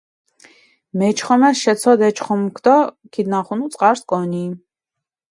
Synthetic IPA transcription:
mɛt͡ʃχɔmɛʃɛt͡sʰɔd̪ɛt͡ʃʰχɔmkʰt̪ɔkʰid̪naχunut͡sʼqʼaɾskʼɔni

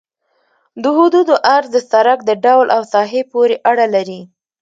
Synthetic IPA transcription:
d̪əɦud̪ud̪oʔaɾzd̪əsaɾak̚d̪əɖawlʔawsɑɦepoɾeʔaɽalaɾi

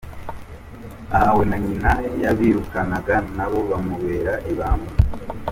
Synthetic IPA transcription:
ahawe̞naɲinajaβiːɾukanaɡanaβo̞βamuβe̞ːɾaʔiβaːmu

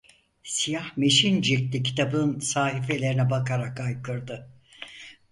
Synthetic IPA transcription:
sijahme̞ʃind͡ʒiɾtt̪ʲicʰi̥t̪ʰabɯnsaːɦife̞lʲe̞ɾinɛbakʰaɾakajkʰɯɾd̪ɯ

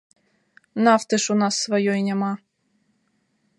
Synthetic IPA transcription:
nɑft̪ɘ̆ʃunɑsːvojojnʲemɑ

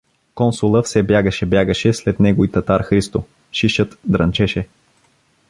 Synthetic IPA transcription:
kɔnsʊlˠəfsɛbjaɡəʃɛbjaɡəʃɛslɛt̪nɛɡoit̪ɐt̪aɾxɾist̪o | ʃiʃət̪d̪ɾɐnt͡ʃɛʃɛ

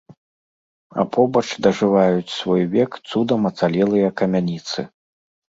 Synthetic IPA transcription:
ɐ̰pʰɔbɐt͡ʂd̪ɐʐɨvajut͡sʲsvɔjvʲɛkt̪sud̪ɐmɐt̪salʲɛlˠɨjɐkɐmʲanʲit̪sɨ̰

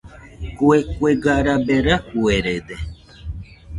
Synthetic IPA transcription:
kuekʷeɡaɾabeɾakueɾed̪e

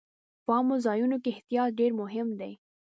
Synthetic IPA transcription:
pəɑmozɑjunokeɪht̪ijɑt̪̚ɖeɾmʊɦɪmd̪ej

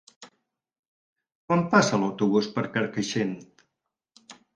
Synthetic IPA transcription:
kwampasələwt̪uβ̞uspəɾkəɾkəʃent̪

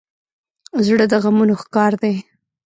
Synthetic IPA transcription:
zɽəd̪əɣamunoxkɑɾd̪e

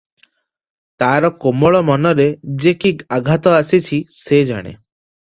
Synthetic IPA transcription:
t̪aɾɔkomɔɭɔmɔnɔɾed͡ʒekiaɡʱat̪ɔasit͡ʃʰised͡ʒa̰ɽ̃ḛ

